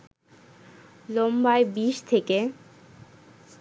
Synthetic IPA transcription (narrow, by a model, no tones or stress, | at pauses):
lombaebiʃt̪ʰeke